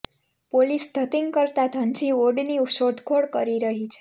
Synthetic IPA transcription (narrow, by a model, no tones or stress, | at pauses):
polisd̪ʱət̪iŋɡkəɾt̪at̪ʰənt͡ʃioɖniuʃod̪ʱkʰoɽkəɾiɾəɦit͡ʃʰe̥